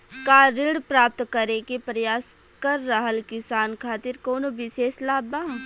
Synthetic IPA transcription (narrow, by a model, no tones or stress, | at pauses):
kaːɾɪɽpɾaːp̚t̪kɐɾekepɾɐjaːs | kɐɾːɐɦəlkɪsaːnkʰaːt̪ɪɾkoːnoʋɪʃeːslaːbaː